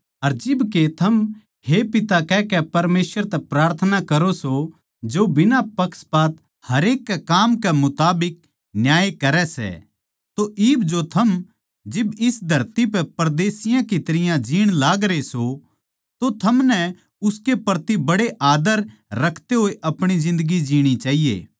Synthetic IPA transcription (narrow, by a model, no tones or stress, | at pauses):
ɐɾd͡ʒɪbket̪ʰɐm | hepɪt̪akɛːkɛpɐɾmeːswəɾt̪ɛpɾaːɾt̪ʰənakɐɾoso | d͡ʒobɪnapɐkspaːt̪ | hɐɾeːkːɛkaːmkɛmʊt̪aːbɪk̚ | njaːjekɐɾɛsɛ̰ | t̪oʔiːbd͡ʒot̪ʰɐm | d͡ʒɪbɪsd̪ʱɐɾt̪ip̬ɛpɐɾd̪eːsɪjãkit̪ɐɾɪjãd͡ʒiːɽ̃laːɡɾeso | t̪ot̪ʰɐmnɛ | ʊskepɾt̪ibɐɽeʔaːd̪əɾ | ɾɐkʰt̪eɦoːeʔɐpɽ̃izɪ̃nd̪əɡid͡ʒiːɽ̃it͡ʃaːɦijḛː